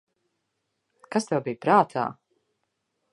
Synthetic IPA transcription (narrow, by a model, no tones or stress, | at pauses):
kast̪ɛwbijpɾaːt̪ʰa̰ː